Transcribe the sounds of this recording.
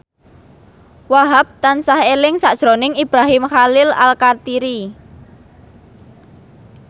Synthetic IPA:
waɦap̚t̪ansahelɪŋsaʔd̥ʒ̥ɾonɪŋib̥ɾaɦɪmxalɪla̰lkart̪iɾi

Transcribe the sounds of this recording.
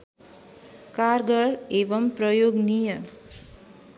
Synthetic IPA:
karɡʌɽebʌmprʌjoɡnijʌ

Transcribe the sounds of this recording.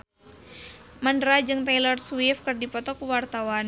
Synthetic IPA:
mandɾad͡ʒɨŋt̪ajlɔrswifkɨrdipɔt̪ɔkuwart̪awan

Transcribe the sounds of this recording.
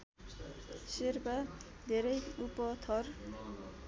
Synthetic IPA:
sirpa | d̪ʱeɾʌjupʌt̪ʰʌr

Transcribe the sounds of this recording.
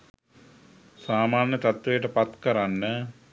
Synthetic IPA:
saːmaːnjət̪at̪ʋejəʈəpat̪kəɾanːə

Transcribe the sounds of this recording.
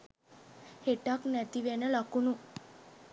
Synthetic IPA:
heʈaknæt̪iʋenəlakunu

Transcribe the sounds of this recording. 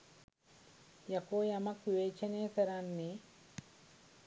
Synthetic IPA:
jɐkoːjɐmɐkʋiʋeːt͡ʃɐneːkɐɾanːi

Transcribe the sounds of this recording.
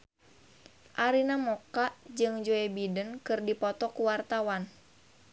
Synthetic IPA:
ʔaɾinamɔkaʔd͡ʒɨŋd͡ʒoɛbidənkɨrdipɔt̪ɔkuwart̪awan

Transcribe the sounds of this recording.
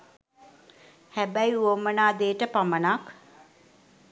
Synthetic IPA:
hæbæjuomənaːd̪eːʈəpamənak

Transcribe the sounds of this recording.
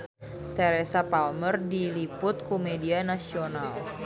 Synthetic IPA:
t̪ɛɾɛsapalmərdilipʊt̪̚kumedianasional

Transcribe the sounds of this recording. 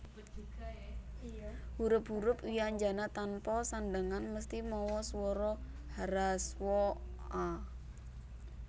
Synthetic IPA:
huɾʊp̚ɦuɾʊpiaɲd͡ʒanat̪anpɔsanɖəŋanməst̪imɔwɔswɔɾɔ | haɾaswɔa

